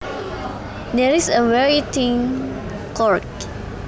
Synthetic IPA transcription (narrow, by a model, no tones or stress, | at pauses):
dɛɹisəwɛɹitĩŋ | kɔɹk̚